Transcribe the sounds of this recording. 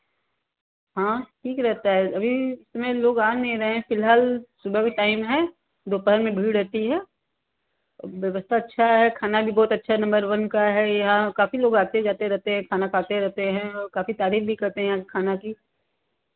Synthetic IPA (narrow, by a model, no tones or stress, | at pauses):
ɦãːʈʰiːkɾɛɦt̪aɦɛɐbʱiɪsmẽloːɡaːnnĩɾɐɦẽɦɛ̃fɪlɦaːlsʊbʱəkeʈaːɪmɦɛ | d̪oːpəɦəɾmẽbʱiːɽɛɦt̪iɦɛː | ʋjɐʋəst̪ʰaɐtːʃʰaɦɛkʰaːnabʱibɔːt̪ɐtːʃʰaɦɛnɐ̃mbəɾʋɐnkaɦɛjɐɦãkaːfiloːɡaːt̪ed͡ʒaːt̪eɾɛɦt̪eɦɛ̃kʰaːnakʰaːt̪eɾɛɦt̪eɦɛ̃ɔkaːfit̪aːɾiːfbʱikɐɾt̪eɦɛ̃jɦãkekʰaːnaki